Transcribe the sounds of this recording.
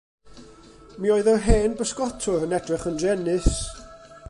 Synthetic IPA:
mioːɨðɔɦeːnbəskɔtʰʊɾənɛdrɪχəndɛnɨs

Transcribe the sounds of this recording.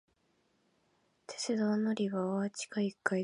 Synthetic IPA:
t̪ʰe̞̥t͡sɨd̪oːnoɾʲiɡaoat͡ɕi̥kaikːai

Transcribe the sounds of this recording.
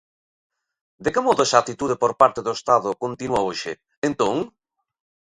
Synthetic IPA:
d̪ekemɔðʊɛsat̪it̪uðepoɾpaɾt̪eðoest̪aðʊkont̪inuaoʃɪ | ent̪õŋ

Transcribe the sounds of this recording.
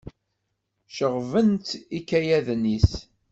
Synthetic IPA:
ʃəʁvənt̪ikːæjæðnis

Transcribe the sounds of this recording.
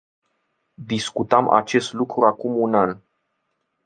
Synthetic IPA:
d̪iskut̪amʔa̰t͡ʃe̞st̪lukɾuakumunan

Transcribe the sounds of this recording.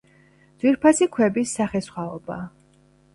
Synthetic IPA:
d̪z̥wiɾpʰasikʰwɛbisːaχɛsχwaɔba

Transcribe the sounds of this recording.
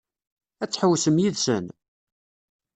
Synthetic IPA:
æt͡sːħəwːsəmjiðsə̰n

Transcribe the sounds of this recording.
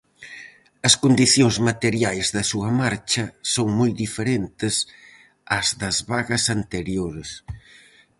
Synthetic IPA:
ɐskond̪iθjoŋzmat̪eɾjajzðɐsuɐmaɾt͡ʃɐsoŋmojd̪ifeɾent̪ɪs | ɐzðɐzβaɣɐsɐnt̪eɾjoɾes

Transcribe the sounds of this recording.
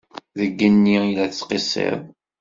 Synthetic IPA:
ðəɡːənːiilæθət͡sːqisḛðˤ

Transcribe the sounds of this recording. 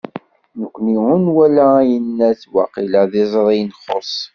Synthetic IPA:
nəkʷːniʊnwælææjənːæθwɑqiləðizˤɾˤijnχosˤ

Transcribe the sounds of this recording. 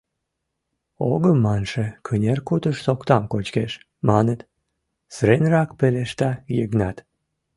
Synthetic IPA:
oɣəmːɑnʃekʰənʲerkut̪əʃsokt̪ɑmkot͡ɕkeʃ | mɑnət̪ | sɾenrɑkpeleʃt̪ɑjəɣnɑt̪

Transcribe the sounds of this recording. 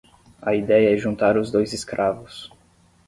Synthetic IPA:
ɐid̪ɛjɐɛʒũnt̪aɾʊzd̪ojzɪskɾʔavʊs

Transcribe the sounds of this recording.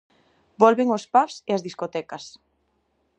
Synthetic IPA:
bɔlβeŋospafseazðiskot̪ɛkɐs

